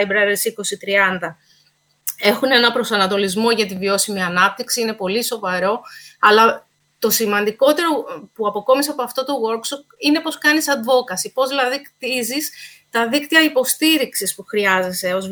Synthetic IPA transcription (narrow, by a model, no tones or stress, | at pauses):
jbɾɐɾeɾsiko̞sit̪ɾiɐnd̪ɐ | e̞xune̞nɐpɾo̞sɐnɐt̪o̞lizmo̞ʝɐt̪ivio̞simiɐnɐp̚t̪iksiine̞po̞liso̞vɐɾo̞ɐlɐ | t̪o̞simɐnd̪iko̞t̪e̞ɾo̞puɐpo̞ko̞misɐpo̞ɐft̪o̞t̪o̞ɣo̞ɾkso̞p̚ine̞po̞skɐnisɐd̪vo̞kɐsipo̞zlɐðikt̪izis | t̪ɐðikt̪iɐipo̞st̪iɾiksispuxɾiɐze̞se̞o̞z